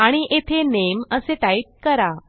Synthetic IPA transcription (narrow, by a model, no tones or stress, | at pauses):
aɽ̃iʔet̪ʰeneməseʈaiʈ̚kəɾa